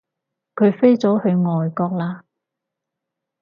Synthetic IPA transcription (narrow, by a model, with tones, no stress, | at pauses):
kʰɵ˨˧ɥfe˥jt͡sɔː˨˥hɵ˧ɥŋɔː˨jkɔː˧k̚laː˧